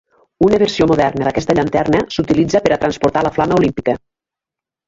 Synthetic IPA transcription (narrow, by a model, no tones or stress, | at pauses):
unəβəɾsiomuðɛrnəðəkɛst̪əʎənt̪ɛrnəsut̪ilid͡zəpəɾət̪ɾənspuɾt̪aləflaməulimpikə